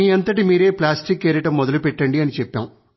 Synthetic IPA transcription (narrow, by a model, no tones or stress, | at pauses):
iːɐnt̪ɐʈimiːɾe̞ːplaːsʈikːeːɾiʈɐmːɔd̪ɐlupɛʈːɐɳɖiɐnit͡ʃɛpːaːm